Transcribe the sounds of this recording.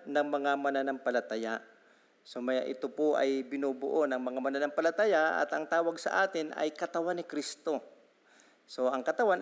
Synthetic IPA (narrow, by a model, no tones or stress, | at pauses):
nɐŋmɐŋamɐnanɐŋpɐlɐt̪aja | so̞mɐja̰ʔɪt̪opoʔɐ̰jbɪnubʊ̰ʔonɐŋmɐŋamɐnanɐŋpɐlɐt̪ajaʔɐ̰t̪ɐŋt̪aːwɐɡsɐ̰ʔaːt̪ɪnʔɐ̰jkɐt̪ɐwanɪkɾist̪o̞ | so̞ʔɐŋkɐt̪ɐwan